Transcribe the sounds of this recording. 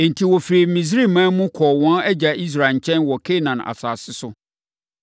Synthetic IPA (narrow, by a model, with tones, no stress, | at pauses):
ẽ˨n˨tʰi˨wɔ˨fɾi˨mĩ˨s̬ɾi˦˨mã˦mʊ̃˦kʰɔː˨wɔ̃˦nɛ˦d͡ʑa˨ʔi˦s̬ɾa˨ɲ̩˨t͡ɕʰɛ̃˦nwɔ˨kʰe˦˨nã˨na̰˨saː˨sɪ˦sʊ˦